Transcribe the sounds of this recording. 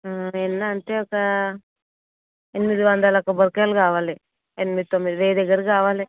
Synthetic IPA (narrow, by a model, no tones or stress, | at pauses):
enːaːnt̪eɐka | enmid̪iʋɐnd̪alakɐbɐɾkjalɡaːʋale | enmid̪t̪ːomiɾeːd̪eɡɐɾɡaːʋale